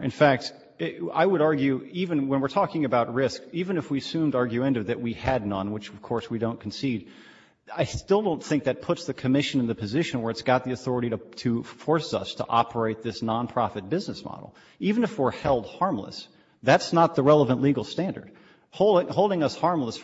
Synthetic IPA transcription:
ɨ̰̃nfæk̚t | a̰ɪwəɾɑɹɡjʉivɨ̃nwə̃nwəɹtʰɔkɪ̃ŋɨbaʊt̚ɹɪskivɨ̃nɨfwiɨsʉ̃mdɑɹɡjʉɛ̃ndɨvðɨʔ̚wiɨdⁿnʌ̃nwət͡ʃʌv̥kʰɔɹswidõʊ̃nkʰn̩siɾ | aɪstɪlˠdõʊ̃nθɪ̃ŋk̚ðɨt̚pʰʊtsðɨkʰɨmɪʃɨ̃nɨ̃nðɨpʰɨzɪʃɨ̃nwə˞ɨtsɡ̥ɑt̪̚ðiɨθɔɹɨɾiɾətʰɨfɔɹsʌ̰stʰə̰ʔɑ̰pʰə˞eɪt̪̚ðɪsnɑ̃npʰɹ̥ɑfɨt̚b̥ɪznɨsmɑ̰ɾl̩ˠ | ivɨ̃nɨfwɪɹhɛlˠd̚hɑɹmlə̰s | ðætsnət̪̚ðəɹɛlˠəvə̃nʔliɡl̩ˠstæ̃ndə̰˞d̥̚ | hoʊlˠɪ̃ŋhoʊlˠdɪ̃ŋʌshɑɹmləs

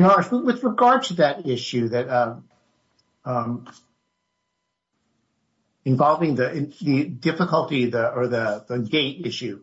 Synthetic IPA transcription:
noʊwwɨðɹɨɡɑɹd̚tʰɨðɨɾɪʃʉðɨtʌ | ʌm | ɨ̃ɱvɑlˠvɪ̃ŋðɨʔɪ̃nðɨdɪfəkəl̩ˠtiðɨə˞ðɨðɨɡeɪɾɪʃʉ

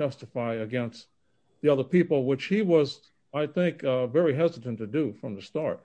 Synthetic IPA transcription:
ɛstəfaɪɨɡɛ̃nst | ðiʌðə˞pipl̩ˠwɨt͡ʃhiwʌz | aɪθɪ̃ŋkvɛɹiɦɛzɨɾɨ̃ntʰɨdɨfɹʌ̃mðɨstɑɹt̚

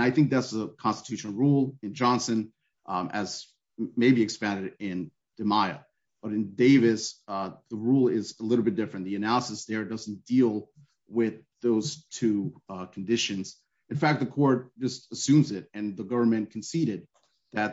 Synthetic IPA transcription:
naɪθɪ̃ŋk̚ðɨtsəkʰɑ̃nstə̥tʰʉʃnl̩ˠɹulˠɨ̃nd͡ʒɑ̃nsɨ̃n | ʔɨz | meɪbiɨkspæ̃ndɨɾɪ̃n | d̥ɨmaɪɨ̰ | b̥ʌɾɨ̃ndeɪvɨsðəɹulˠɪzəlɪɾl̩ˠbɪt̚d̥ɪfɹɨ̃nðiɨnælˠəsəsðə˞dʌzn̩d̥ilˠ | wɪð | oʊz̥tʰʉkʰn̩dɪʃɨ̃nz̥ | ɨ̃nfæk̚t̪̚ðɨkʰɔɹt̚d̥ʒ̥ʌstəsʉ̃mzɪɾɨ̃nðəɡʌvə˞mɨ̃nkʰn̩siɾɨd̪̚ | ðɨt̚

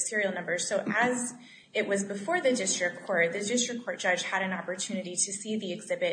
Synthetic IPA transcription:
sɪɹil̩ˠnʌ̃mbə˞z̥soʊʔɨz | ɪʔ̚wʌzbɨfɔɹðɨdɪstɹ̥ɨkʰːɔɹt̚ðɨdɪstɹ̥ɨkʰːɔɹt̚d̥ʒ̥ʌ̥ʒ̥ɨɾɨ̃nɑpə˞tʰʉnɨɾiɾɨsiðiɨɡzɪbɨ

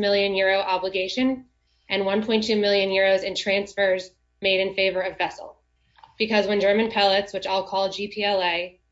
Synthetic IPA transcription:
mɪlˠjɨ̃njʊɹoʊʔɑbləɡeɪʃɨ̃n | ʔɨ̃nwʌ̃npʰɔ̃ɪ̃ntʰʉmɪlˠjɨ̃njʊɹoʊzɨ̃ntʰɹ̥æ̃nsfə˞z | meɪɾɨ̃nfeɪvə˞ʌvɛsl̩ˠ | b̥ɨkʰʌzwɨ̃nd͡ʒɜ˞mɨ̃npʰɛlˠətswɨt͡ʃɔlˠkʰɔlˠd͡ʒipʰiɛlˠeɪ

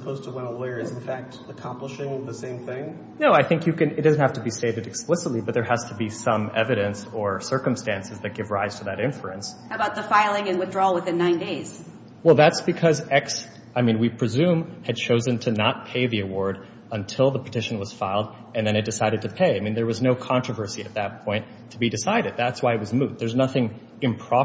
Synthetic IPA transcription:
sə̥pʰoʊz̥tʰəwɛ̃nəlɔɪə˞ɨz̃n̩fæk̚t | əkʰɑ̃mpləʃɪ̃ŋʌvðɨsẽɪ̃mθɪ̃ŋ | noʊaɪθɪ̃ŋkjɨkɨ̃nɨt̚d̥ʌznt̚hæftɨbiseɪvɨɾɨksplɪsətˡlibʌt̪̚ðə˞hæz̥tʰəbisʌ̃mɛvɨɾɨ̃nsə˞sɜ˞kɨ̃mstæ̃nsɨzðɨt̚ɡ̥ɪvɹaɪz̥tʰəðɨɾɪ̃ɱfɹɨ̃nsʔɨbaʊt̪̚ðəfaɪlˠɪ̃ŋɨ̃nwɨθdɹɔwəθɪ̃nːãɪ̃ndeɪz̥ | wɛlˠðætsb̥ɨkʰʌzɛks | aɪmĩnwipʰɹ̥ɨzʉ̃mɨd̚t͡ʃʰoʊzɨ̃ntʰɨnət̚pʰeɪðiɨwɔɹɾ | ə̃ntʰɪlˠðəpʰə̥tʰɪʃɨ̃n̩wʌz̥faɪlˠd | ɨ̃nðɨ̃nɨt̚d̥ɨsaɪɾɨd̚tʰɨpʰeɪaɪmĩnðə˞wʌznoʊkʰɑ̃nt͡ʃɹ̥əvɜ˞siɨt̪̚ðɨt̚pʰɔ̃ɪ̃n | tʰəbidɨsaɪɾɨd̪̚ðætswaɪɨt̚wʌzmuðə˞znʌθɪ̃ŋ | ɨ̃mpʰɹ̥ɑ

